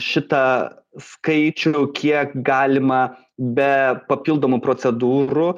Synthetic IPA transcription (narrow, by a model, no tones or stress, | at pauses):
ʃʲɪt̪ɐ | skɐɪt͡ʃʲʊkʲiɛkɡɑːlʲɪmɐ | bʲɛpɐpʲilˠd̪oːmʊpɾoːsʲɛd̪uːɾʊ